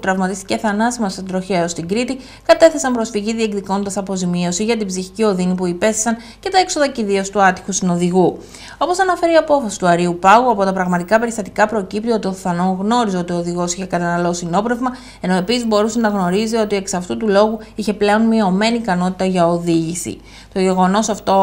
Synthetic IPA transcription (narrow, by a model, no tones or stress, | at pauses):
put̪ɾɐvmɐt̪ist̪i̥ce̞θɐnɐsimɐst̪ɐd̪ɾo̞çeost̪iɡɾit̪i | kɐt̪e̞θe̞sɐmpɾo̞sfiʝiðie̞kðiko̞nt̪ɐsɐpo̞zimio̞siʝɐt̪̬ibziçi̥cio̞ðinipuipe̞sθe̥sɐn | ce̞t̪ɐe̞kso̞ðɐciðiost̪uɐt̪i̥xust̪ino̞ðiɣu | o̞po̞sɐnɐfe̞ɾiɐpo̞fɐsi̥t̪uɐɾiupɐɣuɐpo̞t̪ɐpɾɐɣmɐt̪ikɐpe̞ɾist̪ɐt̪i̥kɐpɾo̞cipt̪iot̪io̞θɐno̞ɣno̞ɾizo̞t̪io̞ðiɣo̞siçe̞kɐt̪ɐnɐlo̞sino̞pɾe̞vmɐ | e̞no̞e̞pisizbo̞ɾusenɐɣno̞ɾizio̞t̪ie̞ksɐft̪ut̪ulo̞ɣuiçe̞ple̞o̞nmio̞me̞niːkɐno̞t̪i̥t̪ɐʝɐo̞ðiʝisḭ | t̪o̞ʝe̞ɣo̞no̞sɐft̪o̞